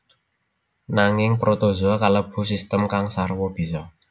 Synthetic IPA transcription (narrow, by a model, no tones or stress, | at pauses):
naŋɪŋpɾot̪ozoakaləb̥ṳsist̪əmkaŋsarwɔb̥i̤sɔ